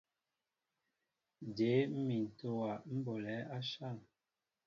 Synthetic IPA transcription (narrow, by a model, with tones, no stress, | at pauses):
de˨˦m̩˦mi˨n̩˨to˦wa˨m̩˦bo˨lɛ˨˦a˦ʃa˦˨ŋ